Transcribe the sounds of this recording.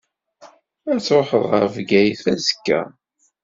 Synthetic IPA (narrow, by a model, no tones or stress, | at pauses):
æt͡sːɾoħəðˤʁə̰ɾvɡæjθæzəkːæ̰